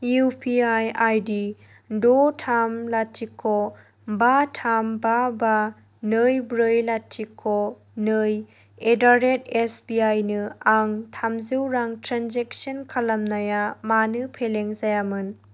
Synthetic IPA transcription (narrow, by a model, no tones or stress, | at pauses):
jupʰiajajdi | dotʰamlatʰikʰːo | batʰambaba | nɯjbɾɯjlatʰikʰːo | nɯj | edaɾet̚esbiajnɯaŋtʰamziwɾaŋtɾanzek̚sɐnkʰalɐmnajamanɯpʰeleŋzajamɯn